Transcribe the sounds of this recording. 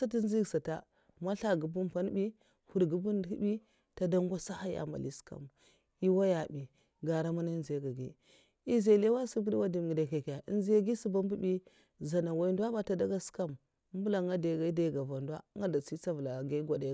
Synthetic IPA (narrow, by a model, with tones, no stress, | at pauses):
sa˦ti˦n˦zi˦ɡsa˨ta˦ | ma˦ɬa˦ɡu˨bu˦npa˦n˦bi˦ | hu˨ɾɡu˦bu˦n˨i˦bi˦ | ta˨da˦ŋ˦ɡa˦sa˦ha˦ja̰˨ma̰˨lḭ˦ska̰˦˨m | i˦wa˦ja˨bi˨ | ɡa˨ɾa˦ma˦na˦i˦nze˨˦ɡa˨ɡi˦ | i˦ze˨le˦wa˦su˦ɡi˦di˦wa˦di˨m˨ɡi˨da˨ke˨kja˨ʔi˦nze˦ɡi˦si˦ba˦m˦bu˦bi˦ | za˨na˨wa˨i˦ndwa˦ba˨ta˨da˦ɡa˦ska˦m˦ | m˦bu˦la˨˦ŋɡa˦da˨ɡa˨i˦da˦˨ɡa˨va˨nda̰˦ŋɡa˦da˨si˦t͡sa˦vu˨la˨ɡa˦ɡo˨de˨˦˨